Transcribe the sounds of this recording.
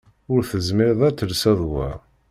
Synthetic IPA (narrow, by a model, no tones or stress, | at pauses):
ʊɾθəzmɪɾðˤæt͡sːəlsæðˤwæ̰